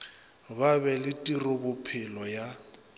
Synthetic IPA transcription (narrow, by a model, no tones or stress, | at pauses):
baβɛlɪtʼirʊbʊpʰɪlɔja